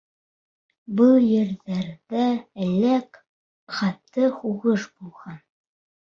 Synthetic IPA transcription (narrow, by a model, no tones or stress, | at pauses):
bɤlˠjɘ̆ɾðæɾðæælæk | χɑt̪ːɤχuʁɤʃbulˠʁɑn